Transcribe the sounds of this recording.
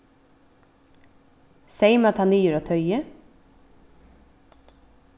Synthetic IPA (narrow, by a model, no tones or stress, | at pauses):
seɪmɑt̪hɑnyːjəɾoːt̪ʰœʏə